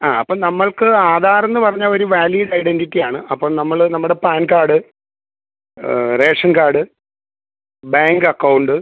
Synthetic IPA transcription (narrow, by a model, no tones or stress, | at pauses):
aːɐpːoːnɐmːɐɭkɨaːd̪ʱaːɾɐnːɨpɐrɐɲːaːɭo̞ɾuʋaːliːðɐjɽenditːijaːɳɨʔɐpːoːɭnɐmːɐɭnɐmːuɽe̞paːnkaːɽɨ | re̞ːʂɐnkaːɽɨ | baːŋɡɐkːɐwuɳɖɨ